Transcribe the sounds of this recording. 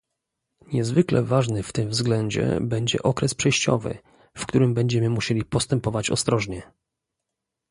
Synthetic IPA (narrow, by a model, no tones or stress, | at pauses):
ɲɛzvɘklɛvaʐnɘft̪ɘmvzɡlɛɲd͡ʑɛ̰bɛɲd͡ʑɛ̰ʔɔkɾɛspʂɛjɕt͡ɕɔ̰vɘ̰ | fkt̪uɾɘmbɛɲd͡ʑɛmɘmuɕelʲipɔst̪ɛmpɔvat͡ɕɔ̰st̪ɾɔʐɲɛ